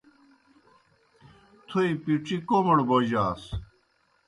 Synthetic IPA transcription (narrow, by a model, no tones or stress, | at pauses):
t̪ʰuipiʈ͡ʂikomɐɽboːʑaːs